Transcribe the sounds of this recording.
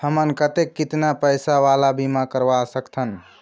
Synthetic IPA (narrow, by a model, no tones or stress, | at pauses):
həmənkət̪ekːit̪napəjsaʋalabʱimakəɾʋasəkt̪ʰən